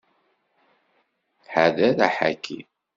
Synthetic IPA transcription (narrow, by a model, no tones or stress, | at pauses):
ħaðæðæħa̰kʰːḭ